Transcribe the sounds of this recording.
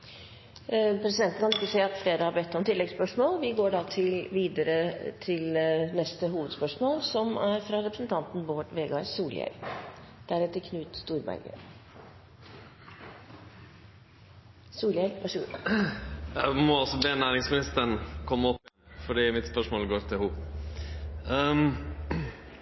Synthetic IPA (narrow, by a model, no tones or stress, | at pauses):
pʰɾɛsɪd̪ɛnt̪n̩kʰɑnɪkːəsɛːɑt̪fleːɾəhɑbɛt̪ːɔmt̪ʰɪlːɛɡspœʂmoːlʋɪɡoːɖɑt̪ʰɪlʋiːd̪əɾət̪ʰɪlnɛst̪əɦuːʋəd̪spœʂmoːlsɔmæɾfɾɑɾɛpɾəsnt̪ʰɑnt̪n̩boːʈʋeːɡɑsuːljɛ̰ld̪̥æɾɛt̪ːəkʰnʉːt̪st̪uːɾbæ̰ɾɡə̰ | suːljɛlæʂṵ | ɛmɔɔsɔbeːnæːɾɪŋsmɪnɪst̪ənkʰɔmːəɔpː | fɔɖiːmɪt̪spœʂmoːlɡoːɾt̪ʰɪlhuː